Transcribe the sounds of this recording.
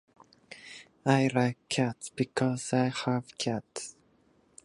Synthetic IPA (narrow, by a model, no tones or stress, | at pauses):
aɪɹaɪkʰːatsb̥ɨkʰɔzaɪhəv̥kʰæts